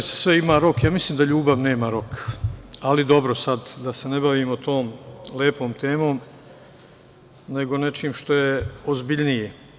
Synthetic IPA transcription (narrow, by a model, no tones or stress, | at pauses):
se̥sʋeimaɾo̞kjaːmislˠiːmd̪aʎuːbaʋne̞ːmaɾo̞k | alid̪o̞bɾo̞sad̪d̪ase̞nebaʋiːmot̪o̞ːmleːpo̞ːmt̪e̞ːmo̞ːm | ne̞ɡo̞ne̞t͡ʃiːmʃt̪o̞jeozbiʎnije